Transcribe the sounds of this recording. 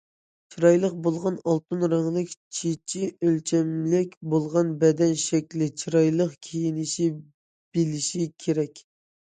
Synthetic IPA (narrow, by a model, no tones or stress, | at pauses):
t͡ʃʰiɾɑjlˠəq̚bolˠʁɑnɑlˠt̪unɾɑŋlˠɨkʲt͡ʃʰet͡ʃʰiølt͡ʃʰɛmlɪkʲbolˠʁɑnbɛd̪ɛnʃɛkʲlɪt͡ʃʰiɾɑjlˠəqkʲʰejinɪʃi | b̥ilɪʃikʲʰeɾɛkʲ